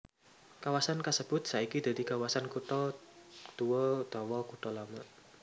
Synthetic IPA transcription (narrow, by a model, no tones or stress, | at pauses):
kawasankasəb̥ʊt̪̚saikid̪̥a̤d̪̥ikawasankuʈɔ | t̪uwɔd̪̥ɔwɔkuʈɔlamaʔ